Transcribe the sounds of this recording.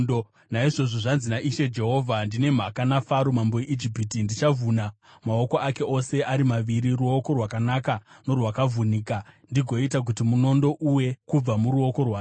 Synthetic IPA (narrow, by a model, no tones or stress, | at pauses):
naiʐo̞ʐoʐanzinaʔiʃe̞d͡ʒe̞ɦo̞vʱandine̞m̤akanafaɾomambo̞eʔid͡ʒipitindit͡ʃavuna | mao̞ko̞ʔake̞o̞se̞ʔaɾimaʋiɾiruo̞ko̞rwakanakano̞rwakavuniːkandiɡʱo̞itak̬utimuno̞ndo̞ʔuje̞kub͡vamuɾuo̞ko̞rwa